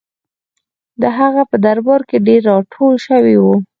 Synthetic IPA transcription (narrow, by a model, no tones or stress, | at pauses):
d̪əɦaɣapəd̪aɾbɑɾkeɖeɾːɑʈʰolʃəwiwu